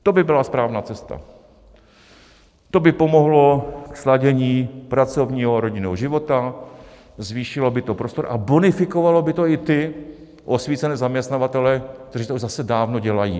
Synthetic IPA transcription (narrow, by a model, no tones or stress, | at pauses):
t̪o̞bɪbɪlaspɾaːvnaːt͡sɛst̪a̰ | t̪o̞bɪpo̞mo̞ɦlo̞kslaɟɛɲiːpɾat͡so̞vɲiːɦoɾo̞ɟɪnɛɦoʒɪvo̞t̪a | zviːʃɪlo̞bɪt̪o̞pɾo̞st̪o̞ɾʔa̰bonɪfɪko̞valo̞bɪt̪o̞ɪt̪ɪ | ʔo̞sviːt͡sɛnɛːzamɲɛst̪navat̪ɛlɛkt̪ɛriːt̪ouʒzasɛdaːvno̞ɟɛlajḭː